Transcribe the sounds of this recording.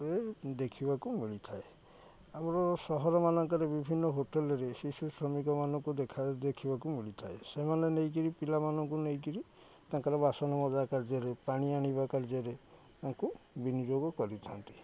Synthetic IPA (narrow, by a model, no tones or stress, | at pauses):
ed̪ekʰibakumiɭit̪ʰae | amɾɔsɔɦɔɾɔmanɔŋkaɾebibʱinːɔɦoʈelɔɾesisusɾɔmikɔmanɔŋkud̪ekʰad̪ekʰibakumiɭit̪ʰaesemanenejk̬iɾipilamanɔŋkunejkiɾi | t̪aŋkaɾebasɔnɔmɔd͡ʒakaɾd͡ʒɔɾepaɽ̃iaɽ̃iβakaɾd͡ʒɔɾe | t̪aŋkubinid͡ʒoɡɔkɔɾit̪ʰa̰nt̪i̥